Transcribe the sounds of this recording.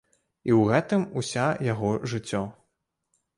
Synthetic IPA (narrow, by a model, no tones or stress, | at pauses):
iwɣɛt̪ɨmusʲajaɣɔʐɨt͡sʲːɔ